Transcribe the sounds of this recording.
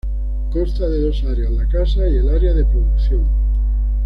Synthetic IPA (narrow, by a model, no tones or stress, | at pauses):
ko̞st̪aðe̞ðo̞saɾeazlakasaie̞laɾeað̞e̞pɾoðukθjoŋ